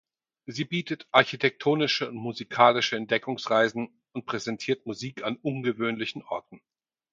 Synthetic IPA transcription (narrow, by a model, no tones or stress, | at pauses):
ziːbiːtətʔaɐçitʰɛk̚tʰoːnɪʃəʊntmuzikʰaːlɪʃəɛnt̚d̥ɛkʊŋsʁaɪzn̩ | ʊnt̚pʁ̥ɛzɛntʰiːɐtmuziːkʰanʔʊnɡəvøːnlɪçn̩ʔɔɐtn̩